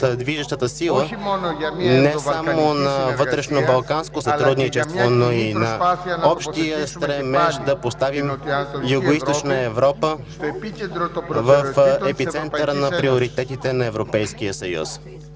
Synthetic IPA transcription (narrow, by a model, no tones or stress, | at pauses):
d̪viʒəʃt̪ət̪əsilˠə | nɛsamonɐvɤt̪ɾɛʃnobɐlˠkanskosɐt̪ɾud̪nit͡ʃɛst̪vvonoinɐɔpʃt̪ijəst̪ɾɛmɛʃd̪ɐpost̪avimjʊɡoist̪ott͡ʃnəɛvɾɔpə | vəfɛspitsɛnt̪əɾnɐpɾioɾit̪ɛt̪it̪ɛnɐɛvɾopɛjskijəsɐjṵs